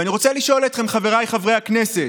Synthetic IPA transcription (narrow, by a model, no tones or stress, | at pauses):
aniʁo̞t͡seliʃo̞let̪χe̞mχaveʁajχavʁejhaknese